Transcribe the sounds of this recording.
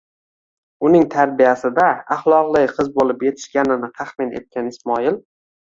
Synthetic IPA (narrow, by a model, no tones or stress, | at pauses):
ʊnɪŋt̪ʰaɾbijasɪd̪aːχlˠɒqlˠɪjqʰɨzbolɪpje̞t̪ʰɪ̥ʃkʲanɪnɪt̪ʰaχmɪne̞̰t̪̚kʲanɪsmɒɪl